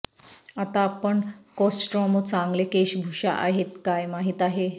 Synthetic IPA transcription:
at̪aːpəɳkɔsʈɾɔmot͡sãŋɡlekeɕbʱuɕa̰ʔa̰ɦet̪kajmaɦiːt̪aɦe

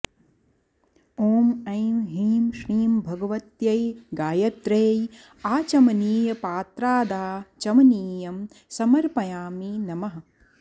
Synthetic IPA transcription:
oːmɐjmɦiːmʃɾiːmbʱɐɡɐʋɐt̪jɐjɡaːjɐt̪ɾeːj | aːt͡ʃɐmɐniːjɐpaːt̪ɾaːd̪aːt͡ʃɐmɐniːjɐm | sɐmɐɾpɐjaːminɐmɐɦɐ̆

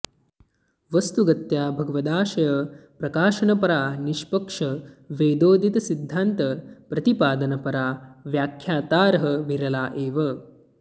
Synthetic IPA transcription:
ʋɐst̪uɡɐt̪jaːbʱɐɡɐʋɐd̪aːʃɐjɐpɾɐkaːʃɐnɐpɐɾaːniʃpɐkʂɐʋeːd̪oːd̪ʱit̪ɐsid̪ʱːant̪ɐpɾɐt̪ipaːd̪ɐnɐpɐɾaːʋjaːkʰjaːt̪aːɾɐɦɐmiɾɐlaːʔeːʋɐ

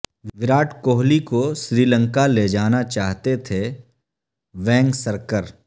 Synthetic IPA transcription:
ʋɪɾaːʈʰkoːɦlikoʃɾiːlə̃ŋkaled͡ʒaːnat͡ʃaːɦt̪et̪ʰe | ʋɛ̃ːŋɡsəɾkəɾ

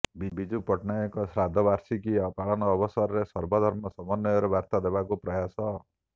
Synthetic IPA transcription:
bibid͡ʒupɔʈnajɔkɔsɾad̪ʱɔbaɾsikiɔpaɭɔnɔːbɔsɔɾɔɾesɔɾbɔd̪ʱɔɾmɔsɔmɔnːɔjɔɾebaɾt̪ad̪ebakupɾɔjasɔ

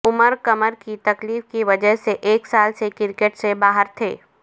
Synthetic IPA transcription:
ʊməɾkəməɾkit̪ɐkliːfkiʋɐd͡ʒəɦseʔeːksaːlsekɪɾkeʈsebaːɦəɾt̪ʰḛː

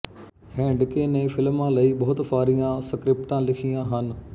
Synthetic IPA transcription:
hɛ̃ːɖkeːnẽfɪlmːãlɐibɐɦʊt̪faːɾijãsɐkɾɪpʈãlɪkʰijãɦənɪ̆

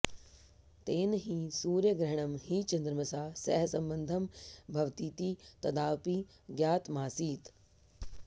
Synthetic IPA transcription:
t̪eːnɦiːsuːɾjəɡɾɐɦɽ̃ɐmhiːt͡ʃɐ̃nd̪ɾəməsãːsɛɦsɐ̃mbə̃nd̪ʱɐmbʱɐʋt̪iːt̪iːt̪ɐd̪aːpiː | ɡjaːt̪maːsiːt̪

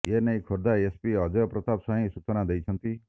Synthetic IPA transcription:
enej̃kʰoɾd̪aespiɦʌd͡ʒɔpɾɔt̪absɔ̃ɦĩsut͡ʃɔnad̪ejt͡ʃʰʌnt̪i

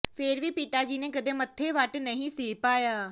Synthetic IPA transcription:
pʰɪɾʋiːpɪt̪aːd͡ʒiːneːkəd̪ẽːmət̪ʰːeːʋəʈnəɦĩːsiːpaːjaː

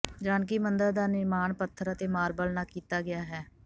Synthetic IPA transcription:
d͡ʒaːnkiːmənd̪əɾd̪aːnɪɾmaːnpət̪ʰːəɾət̪eːmaːɾbəlnaːkiːt̪aːɡɪjaːɦɛː

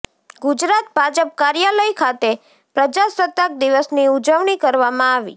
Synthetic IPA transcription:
ɡud͡ʒɾat̪̚bʱad͡ʒəp̚kaɾjaləjkʰat̪e | pɾəd͡ʒasət̪ːək̚d̪iʋəsniud͡ʒəʋɳ̃ikəɾʋamãaʋḭ

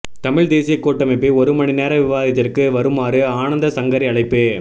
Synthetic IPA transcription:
t̪ɐmɪɭd̪eːsɪjɐkːoːʈːɐmɪpːiɔɾɯmɐɳineːɾɐʋɪʋaːðɪt̪ːɪrkɯʋɐɾɯmaːɾɯaːnɐnd̪ɐsɐŋɡɐɾiɐɭɐɪpːeː

